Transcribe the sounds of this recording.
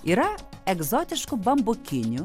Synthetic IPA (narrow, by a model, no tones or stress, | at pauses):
iɾa | ɛɡzɔt̪ʲɪt͡ʃkʊbɐmbʊkʲɪnʲʊ